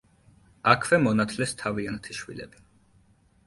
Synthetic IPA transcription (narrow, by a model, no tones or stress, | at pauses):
akʰvɛmɔnat̪ʰlɛst̪ʰaviant̪ʰiʃwḭlɛ̰bi